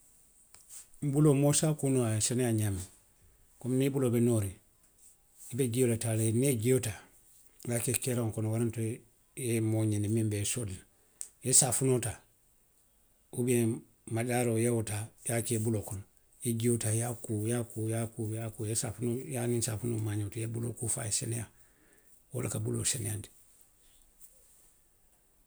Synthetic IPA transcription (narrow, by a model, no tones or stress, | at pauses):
mbulomosakunoasanejaɲami | komnibulobenoɾi | ibeɡijolataleneɡiota | jakekeɾoŋkonwaɾanto | jemoɲenimimbesod | jesafunota | ube | madaɾojewotajakebulokon | jeɟiotajakujakujakujakujesafunojaninsafunomaːɲotijebulo̰kufa̰jeseneja | wo̰lakabulo̰senejandi̥